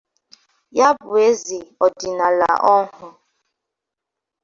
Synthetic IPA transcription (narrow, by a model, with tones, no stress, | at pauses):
ja˦bʊ˨e˦zi˨ɔ˨di˨na˨la̰˨ʔɔ˦hʊ˨